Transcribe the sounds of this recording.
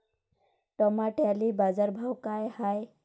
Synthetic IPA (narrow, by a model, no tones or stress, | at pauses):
ʈɔmaʈelibazaɾbʱawkajhaj